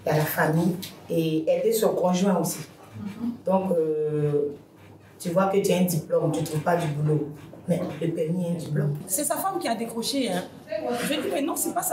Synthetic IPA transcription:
jalafamijeɛlɛsɔkɔ̃ʒwɛ̃osi | d̪̥ɔ̃kø | t̪yvwakət̪ɥɛɛ̃d̪iplɔmt̪yt̪ʁuvpad̪ybulomɛdəpɛʁmiɛ̃d̪iplɔmsɛsafamkʲiad̪ekχɔʃeɛ̃ | ʒəd̪imɛnɔ̃sɛpas

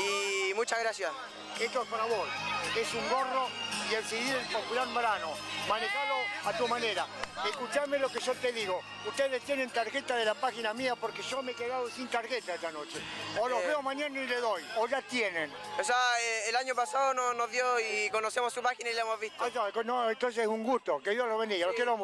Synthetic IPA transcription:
imut͡ʃaɣɾasjas | est̪oeskonaβojesuŋɡoroieβseɣiɾelpopulaɾmbɾanomanexaloat̪umaneɾaeskut͡ʃamelokeʒot̪eðiɣo | ust̪eðest̪jenent̪aɾɣet̪aðelapaxinamiapoɾkeʒomekeɣaðosint̪aɾɣet̪aest̪anot͡ʃeoloβeomaɲanaileðojoʒat̪jenẽn | osaeːlaɲopasaononoðjoikonosemosːupaxinailemovβit̪ot̪akonoent̪ons̬eesuŋɡust̪okeðjoloβend̪ialokelom

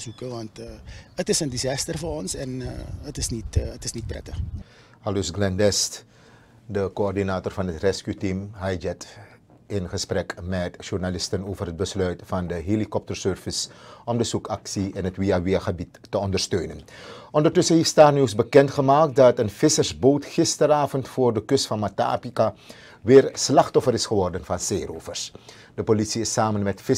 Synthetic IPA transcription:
zukəʋɑntːətɪsəndizɑːstərvʊːnɔnsɛnətɪsnitətɪsnit̚prɛ̰tə | halusɡlɛndɛst | dəkoɔrdinaːtorfɑnɦətrɛskytimɦɛjzɛt | ɪnχəsprɛkmɛtʒurnalɪstənoːvərɦət̚bəslœɥtfɑndəɦelikɔp̚tərsøːrvəsʔɔmdəzukɑksiɪnɦətʋiaʋɪaχəbitːəɔndərstøːnənʔɔndərtɵsənɦeːfstaːniwsbəkɛntχəmaːk̚t̚dɑtənfɪsərsboːtχɪstəɾaːvəntfoːrdəkɵstfɑnmata̰ːpika | ʋɪːrslɑχtɔfəɾɪsχəʋɔrdənfɑnseːrofərs | dəpolitsiɪsaːmənmɛtfɪ

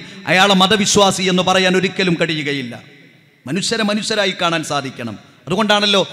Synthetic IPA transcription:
ɐ̰jaːɭemɐðɐʋiɕwaːsie̞nːupɐrɐjaːno̞ɾukʲːɐlumkɐɽijːuɣɐjilːɐ̰ | mɐnuɕjɐɾɐmɐnuɕɐɾaːjikːaːɳaːnsaːd̪ʱikʲːɐɳɐ̰m | ɐðuɣo̞ɳɖaːɳɐlːo̞ː

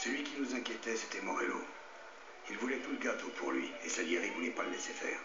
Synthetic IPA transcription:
səlɥikʲinuzɛ̃kʲjet̪ɛse̥t̪ɛmɔʁelo̰ | ilvulɛt̪uləɡat̪opʰuʁlɥiesaʒeʁivunɛpaləlesefɛ̰ːʁ

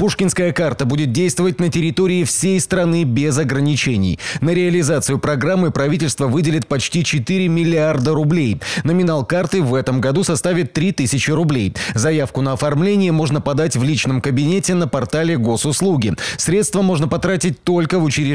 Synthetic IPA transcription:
puʂkʲɪnskəjəkart̪əbudʲɪt̪̚dʲejst̪vəvət̚ʲnətʲɪɾʲɪt̪o̞ɾʲɪːfsʲejst̪ɾɐnɨbʲɪzɐɡɾənʲɪt͡ɕenʲɪ̰jnəɾʲɪɐlʲɪzat̪sɨjʊpɾɐɡɾamːɨpɾɐvʲitʲɪlʲst̪vəvɨdʲɪlʲɪt̪̚pɐt͡ɕtʲit͡ɕɪt̪ɨɾʲɪmʲɪlʲɪard̪əɾʊblʲejnəmʲɪnalˠkart̪ɨvɛt̪əmɡɐd̪usɐst̪avʲɪt̪ːɾʲit̪ɨsʲɪt͡ɕɪɾʊblʲejzɐjafkʊnəɐfɐrmlʲenʲɪjəmo̞ʐnəpɐd̪atʲvlʲit͡ɕn̪əmkəbʲɪnʲetʲɪnəpɐrt̪alʲɪɡo̞sʊslˠuɡʲɪsʲɾʲet̪st̪vəmo̞ʐnəpɐt̪ɾatʲɪt̚ʲt̪o̞lʲkəvʊt͡ɕɪɾʲɪ

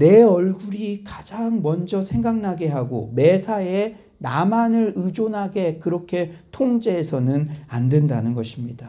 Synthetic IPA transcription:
ne̞ʌɭɡuɾikad͡ʑaŋmʌnd͡ʑʌsʰeŋɡaŋnaɡe̞ɦaɡo̰me̞sʰae | namanɯɾɯd͡ʑonɦaɡe̞kɯɾʌkʰe̞tʰoŋd͡ʑeːsʰʌnɯnandwe̞ndanɯnɡʌɕʰimɲida

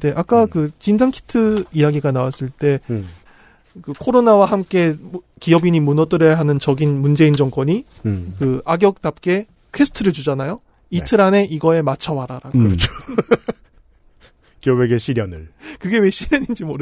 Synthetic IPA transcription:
de̞ʔak͈akɯt͡ɕind͡ʑaŋkʰi̥tʰɯijaɡiɡanawas͈ɯɭt͈e̞ | kɯkʰoɾonawahamk͈e̞ | kiʌbiɲimunʌt͈ɯɾʌjaɦanɯnt͡ɕʌɡinmund͡ʑe̞ind͡ʑʌŋk͈wʌɲi | kɯaɡjʌk̚t͈ap̚k͈e̞ | kʰe̞sʰɯ̥tʰɯɾɯɭt͡ɕud͡ʑanajo | itʰɯɾane̞ʔiɡʌe̞mat͡ɕʰʌmaɾaɾaɯɾʌt͡ɕʰo | kiʌbeɡe̞ɕʰiɾjʌnɯɭkɯɡe̞weɕʰiɾjʌɲind͡ʑimoɾ

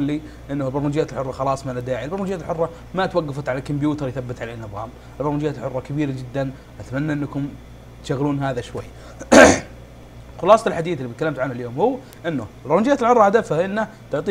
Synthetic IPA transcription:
lːi | ʔɪnːʊlbɾˤmund͡ʒɪjːat̪ɪlħʊrˤːɑxɑlɑːsˤmalad̪aːʕiʔlbɾˤmund͡ʒɪjːat̪lħʊrˤːɑ | mat̪waɡːafat̪ʕalakʊmbjuːt̪ɑɾˤjθabːɪt̪ʕaleːnːɨðˤɑ̰ːm | ɪlbɾˤmnd͡ʒjːaːlħʊrˤːɑkabiːɾad͡ʒɪd̪ːan | ʔat̪manːaʔɪnːakʊm | t̪ʃaɣːluːnɦaːðaʃwa̰jː | xʊlɑːsˤɑlħad̪iːθɪlːibɪt̪kalːamt̪ʕanhaljoːmhʊwː | ʔɪnːʊlbɾˤnd͡ʒɪjːat̪lħʊrˤːɑhad̪afaʔɪnːa | t̪ʊʕt̪ˤiː

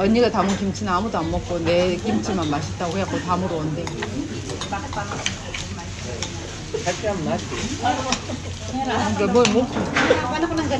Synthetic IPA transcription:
ʌɲːiɡatamukimt͡ɕʰɯnɯnamudoamːʌk̚k͈onekimt͡ɕʰiɭmanmaɕ̬ʰit͈aɡoɦeak͈otamudoʌndeɡi | ak͈aai | ŋɡemʌmokʰu

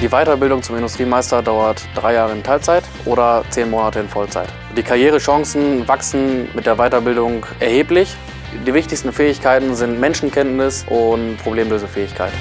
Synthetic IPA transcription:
d̥iːvaɪtɐbɪldʊŋt͡sʊmɪndʊstʁ̥iːmaɪstɐdaʊɐtd̥ʁaɪjaːʁəɪntʰaɪlt͡saɪtʔoːɾɐt͡seːnmoːnatəɪnfɔlt͡sa̰ɪt | d̥iːkʰaʁjeːʁəʃɔŋsn̩vaksn̩mɪt̚d̥eːɐvaɪtɐbɪldʊŋʔɛɐheːplɪç | d̥iːvɪçtɪçstn̩fɛːɪçkʰaɪtn̩zɪntmɛnʃn̩kʰɛntnɪsʔʊntpʁ̥obleːmløːzəfɛːɪçkʰaɪt

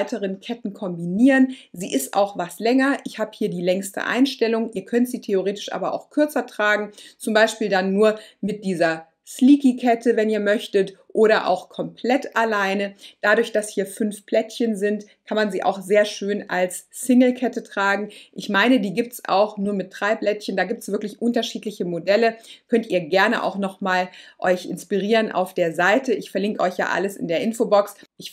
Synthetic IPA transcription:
ɪtəʁənkʰɛtn̩kʰɔmbiniːʁənziːʔɪstʔa̰ʊxvastlɛŋɐʔɪçhaːbəhiːɐdiːlɛŋstə̰ʔa̰ɪnʃtɛlʊŋʔiːɐkʰœntz̥iːtʰeoʁeːtɪ̥ʃʔa̰ːbɐʔa̰ʊxkʰʏɐt͡sɐtʁ̥aːɡŋ̩t͡sʊmbaɪʃpiːldanːuːɐmɪt̚d̥iːzɐ | sliːkikʰɛtʰəvɛniːɐmœçtətʔoːɾɐʔa̰ʊxkʰɔmpʰl̥ɛtalaɪnəd̥adʊɐçd̥ashiːɐfʏnfpl̥ɛtçənzɪnt | kʰanmanziːʔa̰ʊxz̥eːɐʃøːnʔa̰lsːɪŋl̩kʰɛtətʁ̥aːɡŋ̩ʔɪçmaɪnədiːɡiːp̚tsʔa̰ʊxnuːɐmɪtːʁ̥aɪblɛtçəndaːɡiːp̚tsv̥ɪɐklɪçʔʊntɐʃiːtlɪçəmodɛləkʰœntʔiːɐɡɛɐnəʔa̰ʊxnɔχmaːlʔɔʏçʔɪnspiʁ̞iːʁənʔa̰ʊfd̥eːɐzaɪtəʔɪçfɛɐlɪŋkəɔʏçja̰ːʔa̰ləsɪ̰ndeːɐʔɪnfobɔksʔɪç

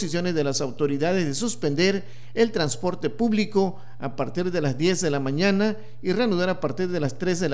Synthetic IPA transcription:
sisjo̞ne̞zðelasawt̪o̞ɾiðað̞e̞zðe̞suspe̞nd̪e̞ɾ | elt̪ɾanspo̞ɾt̪e̞puβliko̞ | apaɾt̪iɾðe̞lazd̪je̞zðe̞lamãɲana | ireanuðaɾapaɾt̪iɾðe̞last̪ɾe̞zðel

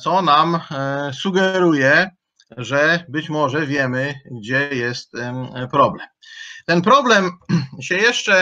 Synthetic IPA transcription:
t̪sɔnamsuɡɛɾujɛ | ʐɛbɘt͡ɕmɔʐɛvʲjɛmɘɡ̚d͡ʑɛjɛst̪pɾɔblɛmt̪ɛnpɾɔblɛmɕɛjɛʂt͡ʂɛ

